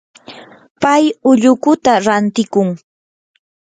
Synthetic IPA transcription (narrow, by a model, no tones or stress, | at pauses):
pajʊʎʊkʊt̪aɾant̪ɪkʊŋ